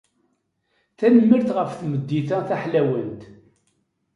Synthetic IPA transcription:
θænəmːəɾθʁəfθməd̪ːiθæθæħlæwənt̪

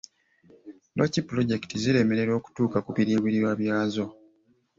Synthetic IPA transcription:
lʔocipːulo̞ɟe̞ktiziɾe̞me̞ɾe̞ɾo̞ːku̥tuːkakuβiɾiːβiɾiɾwaːβjaːzo̞

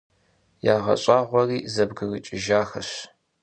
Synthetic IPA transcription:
jaːʁɐ̰ɕʼaːʁʷɔriːzɐbɡɨɣɨt͡ʃʼɪʒaːxɐɕ

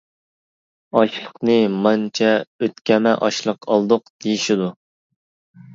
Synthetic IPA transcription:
ɑʃlˠəqnɨmɑnt͡ʃʰɛøt̪kʲɛmɛʔɑʃlˠəqʰɑlˠd̪ʊqd̪̥ejiʃid̪u

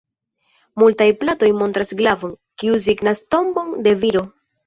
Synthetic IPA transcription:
multajplato̞jmo̞ntɾasɡlavo̞n | kiuz̬iɡnasto̞mbo̞nde̞viɾo̞

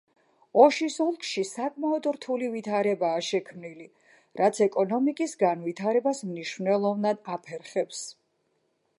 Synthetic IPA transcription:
ɔʃisɔlˠkʰʼʃisakʼmaɔd̪ɾt̪ʰulivit̪ʰaɾɛbaːʃɛkʰmnili | ɾʔat̪sʰɛkʼɔnɔmikʼisɡanvit̪ʰaɾɛbasmniʃvnɛlˠɔvnad̪apʰɛɾχɛps

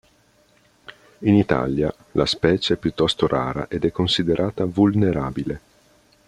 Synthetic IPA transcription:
init̪a̰lja | la̰spɛːt͡ʃeɛpːjut̪ːɔst̪oɾʔa̰ːɾa̰ʔed̪ɛkːonsid̪eɾʔaːt̪avulneɾaːbile

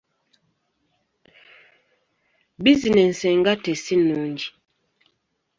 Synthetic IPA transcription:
bizinɛn̩sɛŋɡatɛsinɔnd͡ʒi

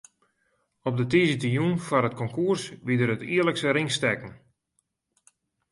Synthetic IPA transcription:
ɔp̚dətizətijunfanɦət̚kɔŋkuərsʋidərətiːələksəɾɪŋstɛkən̩

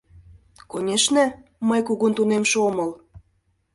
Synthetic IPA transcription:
konʲeʃnĕməjkuɣunt̪unemʃomɤl

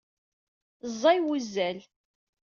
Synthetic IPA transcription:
zˤːɑjwuzːæl

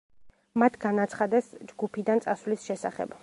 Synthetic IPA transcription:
mat̪ʰɡanat̪sʰχad̪ɛsd͡ʒɡupʰid̪ant̪sʼasvlisʃɛsa̰χɛ̰b̥

